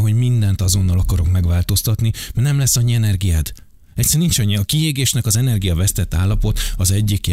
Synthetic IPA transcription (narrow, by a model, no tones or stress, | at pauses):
ɦo̞ɟmind̪ɛnt̪ɒzo̞nːɒlɒkɒɾo̞kmɛɡʋaːlt̪o̞st̪ɒt̪nimɛrnɛmlɛsːɒɲːiɛnɛrɡijaːd̪ | ɛc̪sɛɾnint͡ʃɒɲːiɒkieːɡeːʃnɛkɒzɛnɛrɡijɒvɛst̪ɛt̪ːaːlːɒpo̞t̪ɒzɛɟːik